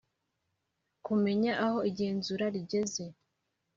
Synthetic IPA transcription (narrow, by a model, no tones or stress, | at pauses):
kume̞ɲaʔaho̞iɟe̞ːnzuɾaɾiɟe̞ze̞